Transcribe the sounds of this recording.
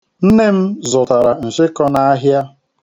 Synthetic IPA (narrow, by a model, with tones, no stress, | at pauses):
n̩˦ne˦m̩˦zʊ˨ta˨ɾa˨n̩˨sɪ˦kɔ˦na˦a˦ɦja˦